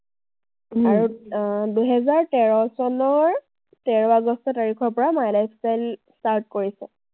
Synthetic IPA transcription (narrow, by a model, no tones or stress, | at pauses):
aɹuduɦɛzaɹtɛɹɔsɔnɔɹ | tɛɹɔaɡɔstɔtaɹikʰɔɹpɔɹamajlajpʰsajlstaɹtkoɹisɛ